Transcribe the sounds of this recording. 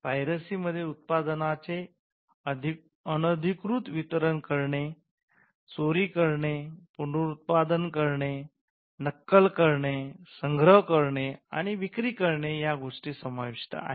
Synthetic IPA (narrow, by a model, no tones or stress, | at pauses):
ʋajɾəsiməd̪ʱːjeut̪̚pad̪nat͡se | əd̪ʱ | ənəd̪ʱikɾut̪ʋit̪ɾənkəɾɳe | t͡soɾiːkəɾɳepuɳɖuɾut̪̚pad̪ənkəɾɳe | nəkːəlkəɾɳesəŋɡʱɾəɦkəɾɳea̰ɽ̃iʋikɾiːkəɾɳejaɡʱoʂʈiːsəmaʋiʂt̪a̰a̰ɦ